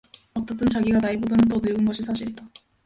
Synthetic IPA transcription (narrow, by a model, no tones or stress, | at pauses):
ʌt͈ʌt͈ʰɯnt͡ɕaɡiɡanaibodanɯntʌnɯɭɡɯnɡʌɕʰisʰaɕʰiɾid͈a